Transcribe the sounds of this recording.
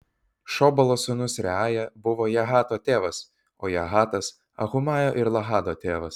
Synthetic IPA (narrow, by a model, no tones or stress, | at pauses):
ʃoːbɐlˠoːsʊnʊsɾʲɛɑːjɛbʊʋoːjɛɣɑːt̪oːt̪ʲeːʋɐs | oːjɛɣɑːt̪ɐs | ɐ̰ɣʊmɑːjoːʔɪɾlˠɐɣɑːd̪oːt̪ʲeːʋɐs